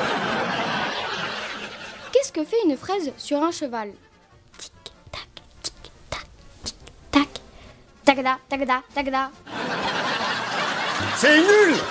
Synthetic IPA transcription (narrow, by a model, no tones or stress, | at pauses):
kʲɛskəfɛynfχazsyʁɛ̃ʃəval | t̪i̥kt̪ḁkt̪i̥kt̪ḁk̪i̥kt̪ak | t̪aɡd̪at̪aɡd̪at̪aɡd̪a | sɛnyl